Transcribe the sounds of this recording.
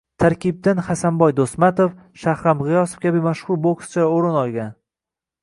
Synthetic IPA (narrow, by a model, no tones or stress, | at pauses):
t̪ʰaɾkʲib̚d̪ɪnχasanbɒjd̪osmat̪of | ʃahɾamʁɪjɒso̥fkʲʰabɪmaʃχʊɾbokst͡ʃʰaoɾɪnɒlˠɡʲan